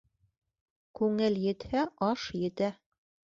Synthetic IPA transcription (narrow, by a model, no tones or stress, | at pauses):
kʉŋɘljɘ̆t̪hæʔɑʃjɘ̆t̪æ